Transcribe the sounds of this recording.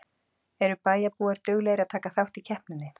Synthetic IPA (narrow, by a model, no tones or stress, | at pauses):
ɛɾʏpaːjapuːaɾ̥t̪ʏɣlɛɣɾaðt̪ʰaːkaθawht̪icʰɛhpnʏnːɪ